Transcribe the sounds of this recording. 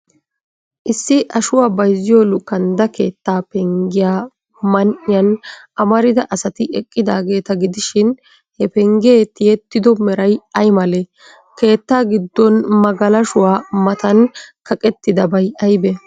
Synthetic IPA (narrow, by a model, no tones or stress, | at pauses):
ʔɪsːɪʔɐʃʊwaːbɐjzːɪjɔlʊkːɐnd̪ɐke̞ːt̪ːaːpɛŋɡɪjaː | mɐnʔɪjɐnɐmɐɾɪd̪ɐʔɐsɐt̪ɪɛkʼːɪd̪a̰ːɡe̞ːt̪ɐɡɪd̪ɪʃɪn | hɛpɛŋɡɪeːt̪ɪjɛt̪ːɪd̪ɔmɛɾɐjɐjmɐle | ke̞ːt̪ːaːɡɪd̪ːɔnmɐɡɐlɐʃʊwaːmɐt̪ɐnkɐkʼɛt̪ːɪd̪ɐbɐjɐjbɛ